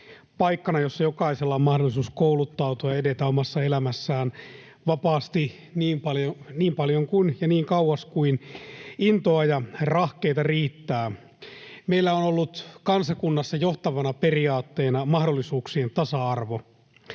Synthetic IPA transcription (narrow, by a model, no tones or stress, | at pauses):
pɑikːɑnɑjosːɑjokɑiselːɑmɑhdolːˑisuːskoulut̪ːɑut̪uɑedet̪æomɑsːɑelæmæsːæːn | ʋɑpɑːst̪i | niːmpɑljoniːmpɑljoŋkunjɑniːŋkɑuwɑskuinint̪oɑjɑrɑhkeit̪ɑriːt̪ːæː | meilːæonolːut̪kɑnsɑkunːɑsːɑjoht̪ɑʋɑnɑperiɑːt̪ːeːnɑmɑhdolːisuːksient̪ɑsɑɑrʋo